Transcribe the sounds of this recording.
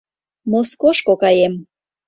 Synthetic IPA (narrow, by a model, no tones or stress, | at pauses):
moskoʃkokɑjem